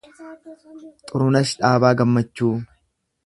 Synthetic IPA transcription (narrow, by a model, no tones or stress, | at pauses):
t̪ʼʊɾʊnɐsᶑaːbaːɡɐmːɐt͡ʃːuː